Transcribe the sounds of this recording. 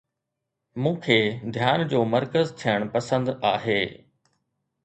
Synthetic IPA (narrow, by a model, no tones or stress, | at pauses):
mũːkʰeːd̪ʱjaːnd͡ʑoːmɐɾkəzt̪ʰijəɽ̃pɐsə̃nd̪aːɦeː